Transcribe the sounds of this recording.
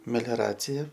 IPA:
mʲɛlʲoːˈrɑːt͡sʲɪjɛ

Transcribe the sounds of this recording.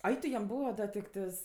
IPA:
ˈɐɪ tʊ jɛm ˈbuːʋɐ ˈdɐ tʲɪkˈtɜs

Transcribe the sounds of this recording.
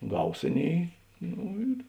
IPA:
ˈɡɐʊs ˈɑːˌnʲeːɪ ˈnoː ɪr

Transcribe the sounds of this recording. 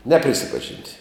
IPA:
ˈnʲæːpʲrʲɪsʲɪpɐʒʲɪnʲtʲ

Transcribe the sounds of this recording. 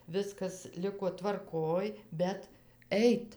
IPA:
ˈʋʲɪskɐs ˈlʲɪkoː tʋɐrˈkoːj bʲɛt ˈɛɪt

